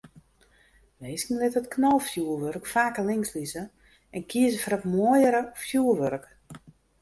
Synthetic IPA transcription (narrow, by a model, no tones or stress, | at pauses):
meːskənlɪtətknɔlˠfjuərʋørkfaːkəlɪŋslizə | ɛnkʰiəzəfəɾɔtmoəjəɾəfjuːrʋørk